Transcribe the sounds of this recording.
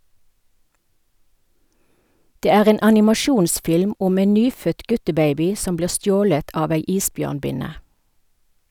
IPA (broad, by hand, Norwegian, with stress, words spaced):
ˈdeː ˈæːʁ ˈeːn ɑnɪmɑˈʃuːnsfɪlm ˈʊm ˈeːn ˈnyːfœt ˈɡʉtəˌbeɪbɪ ˈsɔm ˈbliːʁ ˈstjoːlət ˈɑːʋ ˈæɪ ˈiːsˌbjøːʁnˌbɪnə